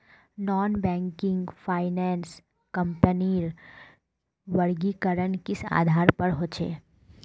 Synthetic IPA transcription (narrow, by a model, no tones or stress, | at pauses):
nɔːnbɛ̃ːŋkɪ̃ŋɡfʰaːɪnɛːns | kɐ̃mpəniːɾ | ʋɐɾɡikəɾənkɪsa̰ːd̪ʱaːɾpɐɾɦoːt͡ʃʰḛː